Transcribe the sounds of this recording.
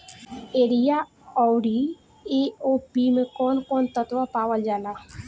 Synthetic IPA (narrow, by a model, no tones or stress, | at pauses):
eːɾijaː | ɔːwɖi | eːoːpimẽkoːnkoːnt̪ət̪ʋapaːʋəld͡ʒaːlaː